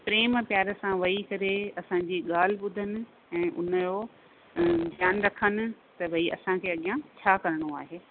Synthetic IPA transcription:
pɾeːmpjaːɾə̆sãʋɐikɐɾeɐsãɲ̆d͡ʑiːɠaːl̤ɪ̆ɓʊd̪ʱənɪ̆ | ɛ̃ːʔʊ̰nəjoː | d̪ʱjaːnɾɐkʰənɪ̆t̪ɐbʱɐiɐ̰sãkʰeːɐɠijãt͡ɕʰaːkɐɾɪɽ̃oa̰ːɦeː

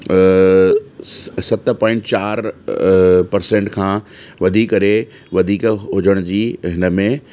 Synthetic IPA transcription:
sɐt̪pɔ̃ːɪ̃ɳʈt͡ɕaːɾ | pɐɾsẽːɳʈkʰãːʋɐd̪ʱiːkəɾe | ʋɐd̪ʱiːkɦʊd͡ʑəɽ̃ʊd͡ʑiːɦɪnəmẽ

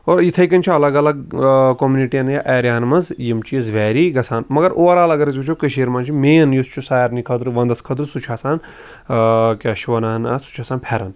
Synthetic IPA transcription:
oːɾit̪ʰɐjkɐnʲt͡ʃʰiɐlɐɡɐlɐɡkomjuniʈijɐnjaːʔɛːɾʲjaːnmɐnzjimt͡ʃizʋɛːɾiɡɐsʰaːnmɐɡɐɾʔoːɐɾaːlɐɡɐɾɐzɡut͡ʃʰoːkɐʃeːɾmaːnt͡ʃʰimeːnjust͡ʃʰusaːjɾnikʰɐd̪ɾʋɐnd̪ɐskʰɐd̪ɾsut͡ʃʰaːsaːn | kʲaʃʋɐnaːnasu̥t͡ʃʰaːsaːnpʰɛɾɐn

